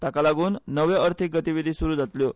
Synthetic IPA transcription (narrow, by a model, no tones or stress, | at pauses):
t̪akalaɡuːnːəʋeəɾt̪ʰik̚ɡət̪iʋid̪ʱisuɾuːd͡zat̪ljo